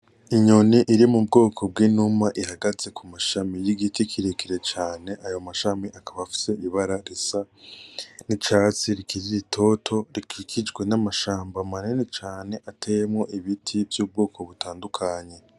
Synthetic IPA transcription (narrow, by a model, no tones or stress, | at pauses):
iɲo̞niʔiɾimub̚ɡo̞ːkʰo̞bɡiːnumaʔiɦaɡaze̞kʰumaʃamijiɡitikʰiɾekiɾet͡ʃaːne̞ʔajo̞maʃamiʔakaβafi̥se̞iβaɾaɾisa | nit͡ʃat͡siɾikiɾiɾitʰo̞tʰo̞ɾikikʰid͡ʒɡwe̞namaʃaːmbamanenit͡ʃaːne̞ʔatʰejemŋo̞ʔiβitʰivjuːb̚ɡo̞ːkʰo̞βutaːndukʰaɲe̞